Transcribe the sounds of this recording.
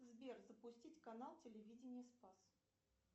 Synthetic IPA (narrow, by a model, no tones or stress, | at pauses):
zbʲerzəpʊsʲtʲitʲkɐnalˠtʲɪlʲɪvʲidʲɪnʲɪjəspas